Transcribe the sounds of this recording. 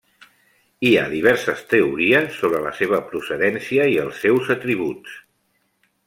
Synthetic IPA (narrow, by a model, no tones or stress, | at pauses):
ia̰ðiβ̞ɛɾsəst̪əuɾiəsːoβɾələ̰seβ̞əpɾusəðɛnsiəiəlˠsːewzət̪ɾiβ̞uts